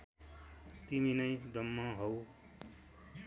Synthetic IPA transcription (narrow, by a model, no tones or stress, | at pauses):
t̪iminʌjɖʌmːʌ̃ɦow